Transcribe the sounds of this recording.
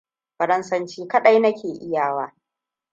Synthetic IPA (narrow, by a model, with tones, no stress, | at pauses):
ɸɐ˨ɾɐ˦nsɐ˦nt͡ʃiː˦kɐ˦ɗa˦jnɐ˦kʲeː˨ʔɪ˦jaː˨waː˦